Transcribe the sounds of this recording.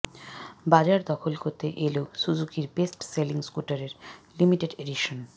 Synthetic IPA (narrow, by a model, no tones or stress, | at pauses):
bad͡ʑaɾd̪ɔkʰolkoɾt̪eʔeleoʃud͡ʑukiɾbesʈseliŋskuʈaɾeɾlimiʈeɖeɖiʃon